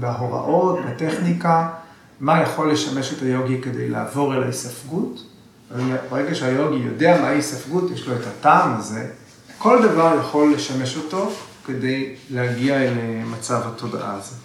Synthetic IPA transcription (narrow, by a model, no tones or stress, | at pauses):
beaɦo̞ʁa̰ʔo̞tbete̞χnika | majaχo̞lːe̞ʃame̞ʃetajo̞ɡike̞dejla̰ːvo̞ʁelaisafɡut | aiabaeɡaʃeajo̞ɡijo̞deamaisafɡutjeʃlo̞etataːmaze̞ | ko̞ldavaʁjaχo̞lːe̞ʃame̞ʃo̞to̞ke̞de̞jleaɡiaelemat͡savhatʰo̞da̰ʔa̰ze